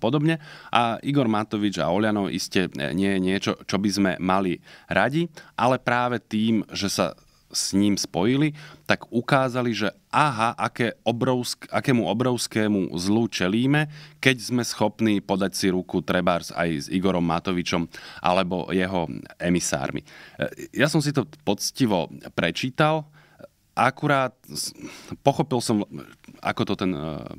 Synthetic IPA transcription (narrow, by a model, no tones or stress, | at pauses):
pɔd̪ɔbɲɛʔaiɡɔɾmat̪ɔʋid͡ʒa̰ɔʎanɔʔḭscɛɲɪɛjɛɲɪɛt͡ʃɔt͡ʃɔbizmɛ̰maliɾaɟiʔalɛpɾaːʋɛt̪iːmʒɛsa̰ | sɲiːmspɔjilit̪aɡukaːzaliʒɛ | ʔaːɦaʔakɛːɔbɾɔʊskakɛːmuɔbɾɔʊskɛːmṵzlut͡ʃɛliːmɛkɛɟzmɛsxɔpniːpɔd̪acsiɾukut̪ɾɛbaːɾsa̰jziɡɔɾɔmːat̪ɔʋit͡ʃɔmʔa̰lɛbɔ̰jɛɦɔɛmisa̰ːɾmḭjasɔmsit̪ɔpɔt͡sciʋɔpɾɛt͡ʃiːt̪al | ʔakuɾaːt̪̚ | pɔxɔpilsɔma̰kɔt̪ɔt̪ɛn